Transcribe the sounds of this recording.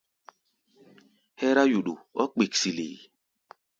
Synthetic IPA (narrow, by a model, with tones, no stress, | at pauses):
hɛ˦ɾa˦ju˨ɗu˨ɔ˦k͡pe˨ksi˨lḛ˨